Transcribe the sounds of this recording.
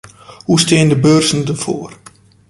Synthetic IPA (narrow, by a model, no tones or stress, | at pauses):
hustɪːəndəbøːrzən̩dəfo̰ːər